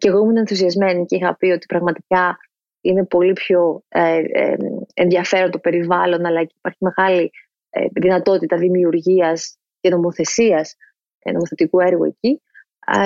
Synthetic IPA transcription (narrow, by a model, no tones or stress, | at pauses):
ceɣo̞muinenθusiɐzme̞niceixɐpio̞t̪i̥pɾɐɣmɐt̪ikɐ | ine̞po̞lipço̞̰ | enðiɐfe̞ɾont̪ope̞ɾivɐlo̞nɐlɐceipɐɾçime̞ɣɐlḭ | ðinɐt̪o̞t̪it̪ɐðimiuɾʝiɐs | ce̞no̞mo̞θe̞siɐs | no̞moθe̞t̪ikue̞ɾɣue̞̰ci